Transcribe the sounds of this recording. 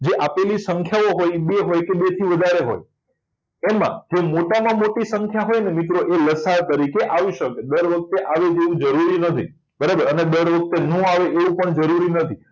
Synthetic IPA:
d͡ʒeʔapelisəŋkʰjaoɦojbeɦojkebet̪ʰiʋəd̪ʱaɾeɦo̰j | emã̰d͡ʒemoʈamãmoʈisəŋkʰjaɦojnemit̪ɾoʔeləsaɾt̪əɾikeʔaʋiʃəked̪əɾʋək̚t̪eʔaʋed͡ʒeʋũd͡ʒəɾuɾinət̪ʰḭ | bəɾabəɾəned̪əɾʋək̚t̪enũaʋeʔeʋũpəɳd͡ʒəɾuɾinət̪ʰi

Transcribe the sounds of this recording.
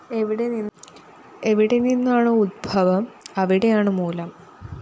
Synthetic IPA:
eʋiɽe̞ninː | e̞ʋiɽe̞ninːaːɳɨud̪̚bʱɐʋɐmɐʋiɽe̞jaːɳɨmuːlɐm

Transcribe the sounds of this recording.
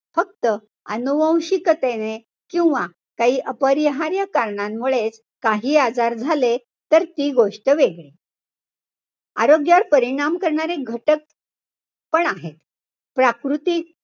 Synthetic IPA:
fək̚t̪ə | ə̰nuʋə̃w̃ɕikət̪ene | kĩw̃ʋa | kaɦiːʔəpəɾjəɦaɾjakaɾɳamːuɭet͡s | kaɦiːad͡zaɾd͡zʱale | t̪əɾt̪iːɡoʂʈəʋeɡɭe | a̰ɾoɡjaɾpəɾiɳ̃amkəɾɳaɾeɡʱəʈək̚ | pəɳaɦet̪ | pɾakɾut̪iː

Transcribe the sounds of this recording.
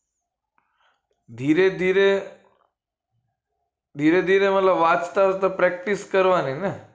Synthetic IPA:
d̪ʱiɾed̪ʱiɾe | d̪ʱiɾed̪ʱiɾemət̪ləbʋat͡ʃt̪at̪apɾɛk̚ʈiskəɾʋanine

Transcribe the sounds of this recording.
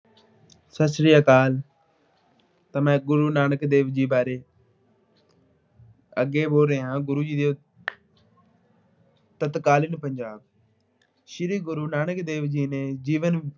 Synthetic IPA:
səsɾɪjaːkaːl | t̪əmɛ̃ːɡʊɾuːnaːnəkd̪eːʋd͡ʒiːbaːɾeː | əɡeːboːɾeːɦãːɡʊɾuːd͡ʒiːd̪eː | t̪ət̪kaːlɪnpəɲd͡ʒaːb̚ | ʃɪɾiːɡʊɾuːnaːnəkd̪eːʋd͡ʒiːneːd͡ʒiːʋən

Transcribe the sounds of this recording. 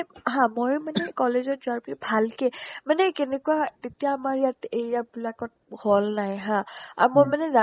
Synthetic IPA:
ɦãmojmanɛkɔlezɔt̚zʊaɹpilibʱalkɛmanɛkenekuatetijaːmaɹjateɹijabilakɔt̚hɔlnajɦãa̰ɹmojmanɛza

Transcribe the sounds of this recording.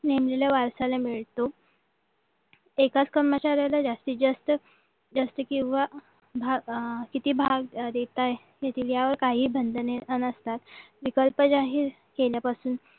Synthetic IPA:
nemleljaʋaɾsalamiɭt̪o | ekat͡skəɾmət͡ɕaɾjalad͡zast̪iːd͡zəst̪ə | d͡zəst̪əkĩw̃ʋa | bʱaɡkit̪iːbʱaɡd̪et̪aj | jet̪ʰiːʋjaʋəɾkaɦiːbʱənd̪əneənəst̪at̪ʋikəlpəd͡zaɦiːɾ | keljapasuːn

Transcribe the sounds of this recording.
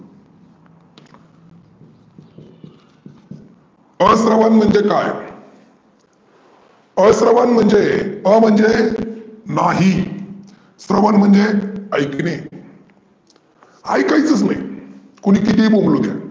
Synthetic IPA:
əsɾəʋanm̤əɳd͡ʑeka̰j | əsɾəʋanm̤əɳd͡ʑeəm̤əɳd͡ʑe | naɦi | sɾəʋanm̤əɳd͡zeəjkine | a̰jkait͡səsna̰j | kuñiːkit̪ibomlod̪ja̰

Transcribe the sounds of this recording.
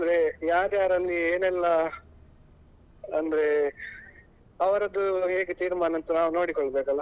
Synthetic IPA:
ɐnd̪ɐɾejaːɾjaːɾɐlːieːnɛlːɐ | ɐnd̪ɐɾe̞ | ɐʋɐɾɐd̪uɦeːɡet̪iːɾmaːnɐnt̪unaːʋuno̞ːɽikɔɭːɐbeːkɐlːɐ

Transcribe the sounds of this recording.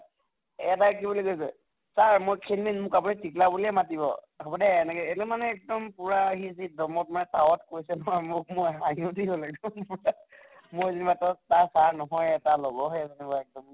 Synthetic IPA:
ɛatakibuliɡojsɛ̰ | saɹmojkʰinminmʊkapunitiklabuliɛmatibɔ̰ | hɔbɔdɛːnɛkɛɛlɛmanɛːk̚dɔmpuɹaɦizidɔmɔt̚manɛtawɔtkojsɛnɔɦɔjmʊk̚mʊaɦiʊdibɔlɛk̚dɔa | mʊɹzenibatɔtasaɹnɔɦɔjɛtalɔɡɔɦɛzenibaɛk̚dɔm

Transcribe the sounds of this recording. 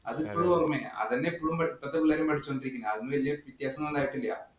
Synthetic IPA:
ɐ̰ðɨipːoːɭuorɐmːen̰ɐ̰ðɐnːeipːoɭumpɐipːɐt̪ːepilːaːɾɐmpɐʈʰit͡ɕːkoɳɖiɾikʲːunːɐɐðunːɨʋɐlijɐʋit̪jaːsɐmonɖaːjiʈːilːɐjɐ̰

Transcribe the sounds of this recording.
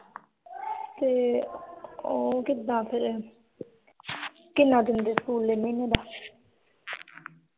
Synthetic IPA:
t̪e | okɪd̪ːãːpʰɪɾ | kɪnãd̪ɪnd̪eskuːlːemenẽd̪a

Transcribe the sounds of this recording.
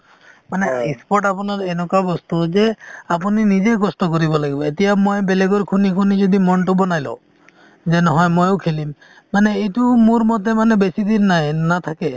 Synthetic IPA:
maneispɔʈapunaɾenɔkwabɔst̪ud͡ʒeapuninid͡ʒekɔsʈɔkoɾibɔlaɡibɔet̪ijamojbeleɡɔɾkʰunikʰunid͡ʒɔd̪imɔɳʈobɔnajlo̰ | d͡ʒenɔɦɔjmojokʰelimː | aneetumuɾmɔt̪emanebesid̪inːanat̪ʰake

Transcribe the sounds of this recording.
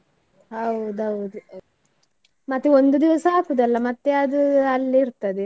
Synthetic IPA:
ɐwd̪ɐwd̪u | mɐt̪ːeond̪ud̪iʋɐsɐapud̪ɐlːɐmɐt̪ːeɐd̪ɨɐlːiɾt̪ɐd̪e

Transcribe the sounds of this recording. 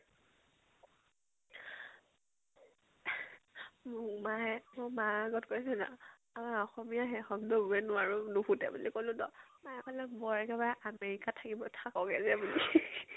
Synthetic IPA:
mʊmaɛmʊmaaɡɔtkoisɛna̰ | amaɹɔxɔmiaɦɛxɔɡdɔbuɛnʊwaɹʊnuxutɛ̰bulikolʊ̃dɔmaɔkɔlɛbɔɹɛkɛbaʔameɹikatʰakibɔtʰakɔɡɛzɛbuli

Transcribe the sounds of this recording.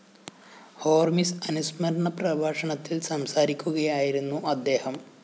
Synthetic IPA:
ho̞ːrmisɐnusmɐɾɐɳɐprɐbʱaːʂɐɳɐt̪ːilsɐmsaːɾikʲːuɣɐjaːjiɾunːuɐd̪ːe̞ːhɐm

